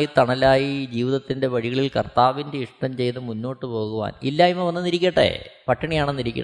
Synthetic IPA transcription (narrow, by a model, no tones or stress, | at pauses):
jit̪ɐɳɐlaːjid͡ʑiːʋiðɐt̪ːinde̞ʋɐɻiɣɐɭilkɐrt̪aːʋindeiʂʈɐmt͡ɕe̞jnːɨmunːo̞ːʈːɨpo̞ːɣuʋa̰ːnḭlːaimːɐʋɐnːɐniɾikʲːɐʈːḛpɐʈʰːɐɳijaːɳenːiɾikʲːɐ̰